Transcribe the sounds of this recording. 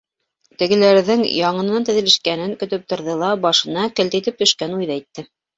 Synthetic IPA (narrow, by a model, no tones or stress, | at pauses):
t̪ɘ̆ɡɘ̆læɾðɘŋjɑɴɤ̆nɤnɑnt̪ɘ̆ðɘ̆læʃkænɘŋkɵ̆t̪ɵp̚t̪ŏɾðɤlˠɑbɑʃɤ̆nɑkɘ̆lt̪it̪ɘp̚t̪ɵ̆ʃkænujðɑit̪ːɘ